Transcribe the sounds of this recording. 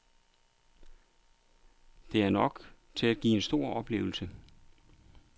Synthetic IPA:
d̥e̝æɐnɒ̽ɡ̥ | t͡sʰe̝læd̥ɡ̥ḭːe̝nsd̥o̝ɐ̰ɒ̽b̥le̝̰ːʊl̩sə

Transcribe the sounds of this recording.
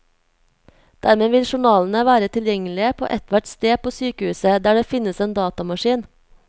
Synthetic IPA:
d̪̥æɾmeːʋɪlʃʊɳɑːln̩əʋæːɾət̪ʰɪljɛŋəlɪəpʰo̰ːʔɛt̪ʋæʈst̪eːpʰoːsyːkəʉːsəd̪æːɖeːfɪnəseːnd̪ɑːt̪ɑmɑʃiːn

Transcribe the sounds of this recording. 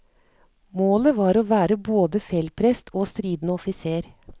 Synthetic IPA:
moːləʋɑːɾoːʋæːɾəboːd̪əfɛlpʰɾɛst̪ʰoːst̪ɾiːd̪n̩əɔfɪseːɾ

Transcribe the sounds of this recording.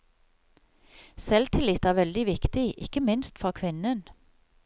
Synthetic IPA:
sɛlt̪ʰɪlɪt̪æːʁʋɛld̪ɪʋɪkt̪ɪʔɪkəmɪnst̪fɔkʰʋɪnən

